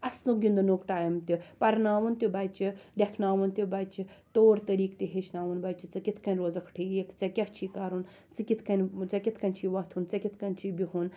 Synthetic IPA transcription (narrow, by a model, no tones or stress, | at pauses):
ɐsnuɡʲind̪ɨnoːkʈaːjmt̪ipɐɾnaːʋɐnt̪ʲibɐjt͡ʃilʲɐkʰnaːʋɐnt̪ʲibɐt͡ʃit̪oːɾt̪ɐɾiːkt̪iɦet͡ʃnaːʋɐnbɐjt͡ʃit͡sɐkit̪ʰkɐnʲɾoːzɐkʰʈʰijekt͡sɐkʲɐht͡ʃʰiːkaːɾun | sɨkʲit̪ʰkɐnʲt͡sɐkʲit̪ʰkɐnʲt͡ʃʰiːʋɐt̪ʰunt͡sɐkʲit̪ʰkɐnʲt͡ʃiːbʲiɦun